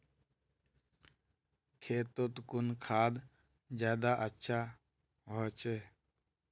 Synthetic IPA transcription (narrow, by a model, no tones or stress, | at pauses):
kʰeːt̪ot̪kʊnkʰaːd̪ | d͡ʒaːd̪aʔətːʃʰa | ɦoːt͡ʃe